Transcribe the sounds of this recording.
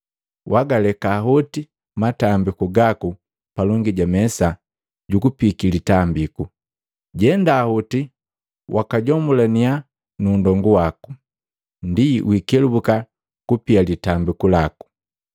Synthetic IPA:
waɡalɛkaːɦɔti | matambikuɡaku | palɔŋɡiɟamɛsa | ɟukupikilitambiku | ɟɛndaːhuti | wʔakaɟɔmulania | nundɔŋɡuwaku̥ | ndiʔwikɛlubuka | kupialitambikulaku̥

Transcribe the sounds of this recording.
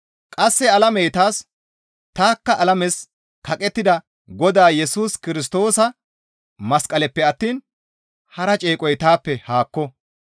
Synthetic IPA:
kʼɐsːɛɐlɐmɛjt̪aːs | t̪aːkːɐʔɐlɐmɛs | kɐkʼɛt̪ːɪd̪ɐ | ɡɔd̪aːjɛsuːskɪɾɪs̬t̪o̞ːsɐ | mɐskʼɐlɛpːɛɐt̪ːiːn | hɐɾɐt͡ʃʼeːkʼɔjt̪aːpːɛhaːkːɔ

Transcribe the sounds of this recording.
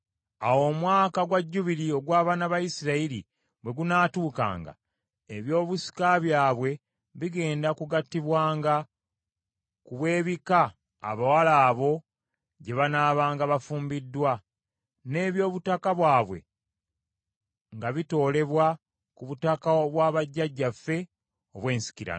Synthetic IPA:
awo̞mwaːkaɡwaɟːuβiɾio̞ɡwaːβaːnaβajisiɾaili | βwe̞ɡunaːtuːka̰ːŋɡa̰ | eβjo̞ːβusi̥kaβjaːβwe̞ | βiɡe̞ːndakuɡatːiβwaːŋɡa | kuβwe̞ːβika̰ː | βawalaːβo̞ | ɟe̞βanaːβaːŋɡaβafuːmbidːwa | ne̞ːβjo̞ːβutakaβwaːβwe̞̰ | ŋɡaβito̞ːle̞βwa | kuβutakaβwaːβaɟːaɟːafe̞ | o̞βwe̞ːnsi̥ciɾa̰

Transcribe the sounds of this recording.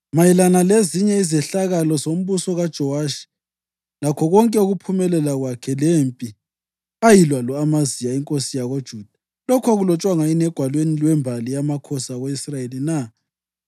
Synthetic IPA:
majilanaleziɲɛizɛɬaɣalɔzom̩βusɔɣad̥ʒ̥ʱɔwaʃi̥ | lakʰɔɣɔŋkʼɛuɣupʰumɛlɛlaɣwakʰɛlempʼi | ajilwalɔamazijaiŋkʼosijaɣod̥ʒ̥ʱuːd̥ʱa | lɔkʰɔɣulɔt͡ʃʼwaŋainɛɡ̥ʱwalwenilwɛmbʱalijamakʰɔsaɣoisraelina

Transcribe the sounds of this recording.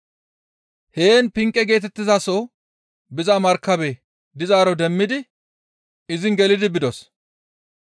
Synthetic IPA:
he̞ːnpɪŋkʼːɛɡe̞ːt̪ɛt̪ːɪzaso | bɪzɐmɐɾkːɐbɛ | d̪ɪzaːɾɔd̪ɛmːɪd̪ɪ | ɪzɪŋɡɛlɪd̪ɪbɪd̪ɔs

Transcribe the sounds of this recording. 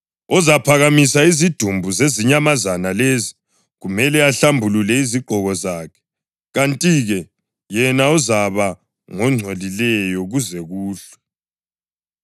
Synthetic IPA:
ɔzapʰaɣamisaizid̥ʱumbʱuzeziɲamazanalezi | ɣumɛlɛaɬambʱululɛiziɡ͡ǃʱɔɣɔzaːkʰɛ̥ | ɣantʼiɣɛ | jɛnaɔzaβa | ŋɔŋ͡ǀʱolilɛjɔɣuzɛɣuːɬɛ̥

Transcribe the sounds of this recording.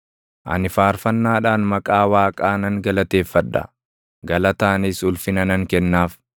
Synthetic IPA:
ʔɐ̰nɪfaːɾfɐnːaːᶑaːnmɐkʼaːwaːkʼaːnɐŋɡɐlɐt̪e̞ːfːɐᶑːɐ̰ | ɡɐlɐt̪aːnisʊlfɪnɐnɐŋkɛnːaːf

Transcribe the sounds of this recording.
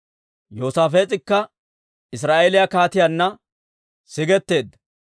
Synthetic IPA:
joːsaːfeːt͡sʼɪkːɐ | ɪs̬ɾaːʔelɪjɐkaːt̪ɪjɐnːɐ | sɪɡɛt̪ːe̞ːd̪ːɐ

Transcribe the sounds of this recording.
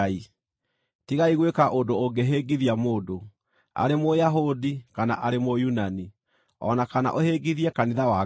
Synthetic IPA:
i | tiɣaiɣwekaʔodooŋɡeɦeɡiðiamoːdo | a̰ɾemojaɦodikana̰ʔaɾemojunani | ɔ̰nakana̰ʔoheɡiðiɛkaniðawa

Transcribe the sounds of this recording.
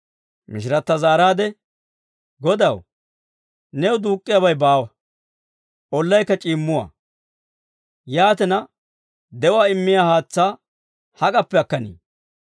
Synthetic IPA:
mɪ̰ʃ̬ɪɾɐt̪ːɐzaːɾaːd̪ɛ | ɡɔd̪ɐw | nɛwd̪uːkʼːɪjabɐjbaːwɐ | ʔɔlːɐjkːɐt͡ʃʼiːmːʊwa̰ː | jaːt̪ɛnɐ | d̪ɛwaːɪmːɪjaːhaːt͡sːaː | hɐkʼɐpːɛɐkːɐnḭː

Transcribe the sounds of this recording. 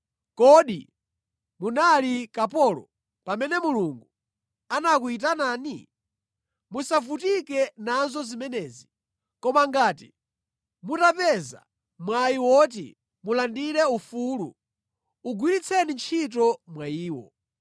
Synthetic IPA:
kɔɗḭ | munalikapɔlɔ̰ | pamɛnɛmuluŋɡu | anakuit̬anaːni | musavutikɛnanzɔzimɛnɛːzi | kɔmaŋɡaːtḭ | mutapɛza̰ | mwaiwɔt̬ḭ | mulandiɾɛufuːlṵ | uɡwiɾit͡sʰɛnint͡ʃʰit̬ɔmwaiːwɔ̰

